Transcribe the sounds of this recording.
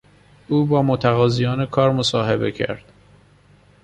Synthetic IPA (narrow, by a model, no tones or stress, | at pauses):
ʔuːbɒːmot̪ʰæɣɒːzijɒːnekʰɒːɾmosɒːɦebe̞cʰæ̰ɾd̪̥